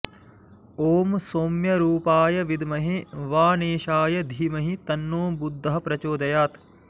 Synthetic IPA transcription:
oːmsoːmjɐɾuːpaːjɐʋid̪mɐɦiʋaːneːʃaːjɐd̪ʱiːmɐɦit̪ɐnːoːbud̪ʱːɐɦɐpɾɐt͡ʃoːd̪ɐjaːt̪

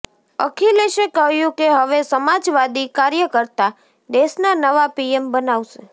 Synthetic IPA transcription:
ə̰kʰileʃekəɦjũkeɦəʋesəmad͡ʒʋad̪ikaɾjəkəɾt̪a | ɖesnanəʋapiembənaʋʃe

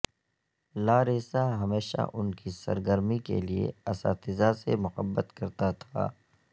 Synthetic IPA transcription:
laːɾɪsaɦɐmeːʃa̰ʔʊnkisɐ̰ɾɡəɾmikḛliḛɐsa̰ːt̪ɪzasemʊxəbːət̪kɐɾt̪at̪ʰa̰ː

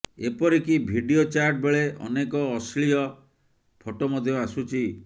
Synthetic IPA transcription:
epɔɾikibʱiɖiot͡ʃaɾʈ̚beɭeʔɔ̰nekɔːsɭiɔ | pʰoʈomɔd̪ʱjɔasut͡ʃʰi

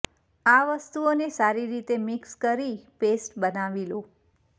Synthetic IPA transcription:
aʋəst̪uonesaɾiɾit̪emɪkskəɾipesʈbənaʋilo

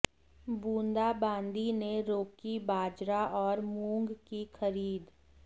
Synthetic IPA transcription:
bũːnd̪abãːnd̪ineɾoːkibaːd͡ʒɾaʔɔːɾmũːŋɡkixəɾiːd̪

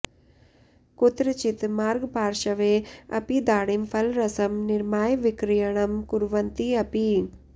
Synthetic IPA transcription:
kut̪ɾɨt͡ʃit̪maːɾɡbʱaːɾʃɐʋeːɐ̰pid̪aːɽimpʰɐlɾɐsɐmniɾmaːjʋikɾijɐɳɐmkuɾʋɐnt̪iɐpi

